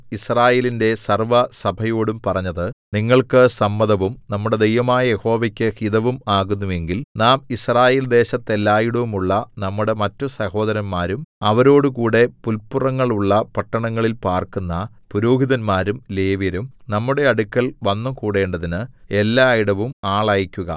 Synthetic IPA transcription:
israːje̞ːlinde̞sɐrʋɐsɐbʱɐjoːɽumpɐrɐɲːɐðɨniŋːɐɭkɨsɐmːɐðɐʋumnɐmːuɽe̞d̪ejʋɐmaːjɐjeho̞ːʋɐkʲːɨhiðɐʋumaːɣunːue̞ŋɡilnaːmisraːje̞ːld̪e̞ːɕɐt̪ːe̞lːaːjiɽɐʋumuɭːɐnɐmːuɽe̞mɐtːusɐho̞ːd̪ɐɾɐnmaːɾumɐʋɐɾo̞ːɽukuːɽe̞pulpurɐŋːɐɭuɭːɐpɐʈːɐɳɐŋːɐɭilpaːrkunːɐ | puɾuːɦiðɐnmaːɾumleːʋjɐɾumnɐmːuɽe̞ɐɽukʲːɐlʋɐnːɐmkuːɽe̞ːɳɖɐðinɨe̞lːaːjiɽɐʋumaːɭaːjikʲːuɣɐ̰

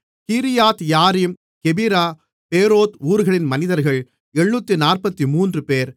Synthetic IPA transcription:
kiːɾɪjaːt̪jaːɾim | kɛbiɾaː | peːɾoːt̪uːɾɯɣɐɭɪnmɐnɪðɐɾɣɐɭ | ɛɳːuːt̪ːinaːrpɐt̪ːimuːndrɯpeːɾ

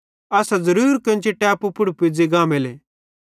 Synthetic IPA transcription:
ɐsazɐɾuːɾkɐ̃nt͡ʃʰeʈaːpupʊɽpid͡ziɡãːmele

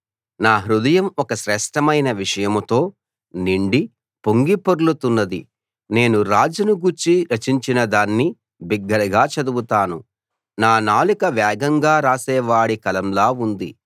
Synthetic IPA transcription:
naːɦɾud̪ɐjɐmɔkɐʃɾɛːʂʈɐmɐjnɐʋiʂɐjɐmt̪o̞ː | niɳɖi | poŋɡipoɾulut̪unːɐd̪ḭ | ne̞ːnuɾaːd͡ʒɐnuɡuɾt͡ʃiɾɐt͡ʃiɲt͡ʃinɐd̪aːnːi | biɡːɐɾɐɡaːt͡ʃɐd̪ubut̪aːnu | naːnaːlikɐʋjɛːɡɐŋɡaːɾaːsɛːʋaːɽikɐlɐmlaːund̪i

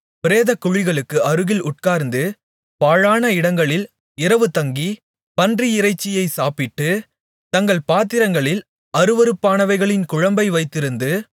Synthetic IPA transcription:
pɪɾeːðɐkːʊɻɪɣɐɭɯkːɯɐɾɯɣɪlʊʈ̚kaːɾnd̪ɯ | paːɻaːnɐɪɽɐŋɡɐɭɪl | ɪɾɐʋɯt̪ɐŋɡi | pɐndriɪrɐɪt͡ʃːɪjɐɪsaːpɪʈːɯ | t̪ɐŋɡɐɭpaːt̪ɪɾɐŋɡɐɭɪl | ɐɾɯʋɐɾɯpːaːnɐʋɐɪɣɐɭɪnkʊɻɐmbɐɪʋɐɪt̪ːɪɾɯnd̪ɯ

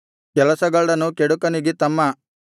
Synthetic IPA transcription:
kɛlɐsɐɡɐɭɽɐnukeɽukɐniɡit̪ɐmːɐ

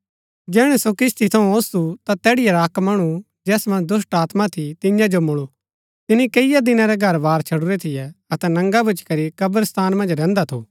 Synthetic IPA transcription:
d͡ʒɛːɽ̃ɛsokɪst̪ʰit̪ʰɐũoːst̪ut̪at̪ɛːɽɪjaɾaːkmɐɽ̃u | d͡ʒɛːsmɐ̃nd͡ʒd̪ʊsʈaːt̪mat̪ʰit̪ɪ̃jãd͡ʒomʊɭu | t̪ɪnikɐɪjad̪ɪnãɾɛɡʱɐɾbaːɾt͡ʃʰɐɽuɾɛt̪ʰɪjɛɐt̪ɛnɐ̃ŋɡabʱʊt͡ʃkɐɾikɐbəɾst̪ʰaːnmɐ̃nd͡ʒɾɛ̃ːnd̪at̪ʰu

